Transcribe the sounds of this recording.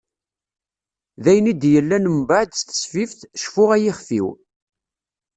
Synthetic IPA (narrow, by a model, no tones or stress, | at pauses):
ðæjənid̪jəlːænəmbaʕd̪st̪ə̥sfifθʃfʊʁæjɪχfḭw